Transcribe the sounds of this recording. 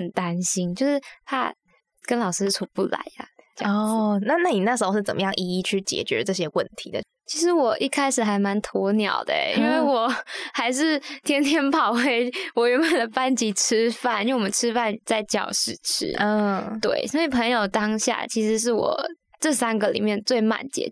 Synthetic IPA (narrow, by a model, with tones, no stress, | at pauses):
ə˨˩nt̪a˦˥nɕi˥nt͡ɕjo˥˧ʊʂɻ̩˥˩t̪ʰa̰˥ | kə˥nlɑ˨˩ʊʂɻ̩˥t͡sʰu˨˩pu˥˩la̰˧˦ɪɐ̰˧˥˧ɔ˥˩na˥˧na˥˩ni˨˩na˥˩ʂ̬ɻ̩˧˥xo˥ʊʂɻ̩˥˩t͡sə˨˩mə˦jɑ˥˩ŋʔi˧˥i˥˧˩t͡ɕʰy˥˩t͡ɕjɛ̰˨˩t͡ɕɥɛ̰˧˥ʈ͡ʂɤ˥˩ɕ̬jɛ˦wə˥˩nt̪ʰḭ˨˧˦d̪ə̰˨ | t͡ɕʰi˧˥ʂɻ̩˧˦˥wɔ˨˩ʔi˥˩kʰa˥ɪʂɻ̩˨˩xa˧˥ɪma˧˥nt̪ʰɔ˧˥njɑ̰˨˩ʊd̪ə̰˦ḭ˧nwe˥˩ɪwɔ˨˩xa˧˥ɪʂ̬ɻ̩˥˩t̪ʰjɛ˥nt̪ʰjɛ˥npʰɑ˨˩ʊwe˧˥ɪwɔ˨˩ɥɛ˧˥nmə˧˩d̪ə˩pa˥nt͡ɕi˧˥ʈ͡ʂʰɻ̩˥fa˥˩ni˥˩wɔ˨˩mə˦nʈ͡ʂʰɻ̩˥fa˥˩nt͡sa˥˩ɪt͡ɕjɑ̰˨˩ʊʂɻ̩˥˩ʈ͡ʂ̩ʰ˥ə˥˩t̪wḛ˥˩ɪsɔ˧˥i˨˩pʰə˧˥ŋjo˨˩ʊt̪ɑ˥ŋɕja̰˥˩t͡ɕʰi˧˥ʂɻ̩˧˥ʂ̬ɻ̩˥˩wɔ̰˨˩ | ʈ͡ʂɤ˥˩sa˥nɡə˨lḭ˨˩mjɛ˥˧nt͡swe˥˩ɪma̰˨˩nt͡ɕjɛ̰˧˥